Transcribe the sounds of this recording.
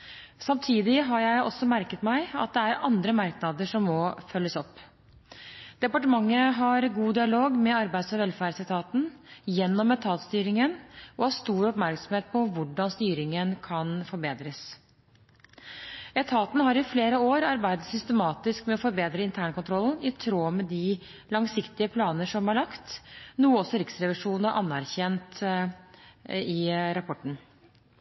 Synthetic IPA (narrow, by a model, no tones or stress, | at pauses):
sɑmt̪ʰiːd̪ɪɦɑɾjæɪʔɔ̰sːɔmæɾkət̪mæɪɑ̰t̪̚d̪ɛæɾɑ̰nd̪ɾəmɑɾknɑd̪əʂɔmːɔfœlːəsɔpː | d̪̥ɛpɑʈəmɑŋːəɦɑɾɡuːd̪ɪɑloːɡmɛɑɾbæɪd̪sɔʋɛlfæːɾsɛt̪ʰɑːt̪n̩jɛnːɔmɛt̪ʰɑːt̪st̪yːɾɪŋənɔhɑʂt̪uːɾɔpmæɾksɔmheːt̪̚pʰɔʋʊɖɑnst̪yːɾɪŋənkʰɑnfɔɾbeːd̪ɾəs | ɛt̪ʰɑːt̪n̩ɦɑɾɪfleːɾəoːɾɑɾbæɪd̪ət̪sʏst̪əmɑːt̪ɪskmɛɔfɔɾbeːd̪ɾəɪnt̪ʰæːɳkʊnt̪ʰɾɔln̩ɪt̪ʰɾoːmɛd̪ɪ | lɑŋsɪkt̪ɪəpʰlɑːnəʂɔmhɑɭɑkt̪nuːəɔsːɔɾɪksɾɛʋɪʂuːnn̩əʔɑnːæɾçɛnt̪ | ɪɾɑpʰɔʈɳ̩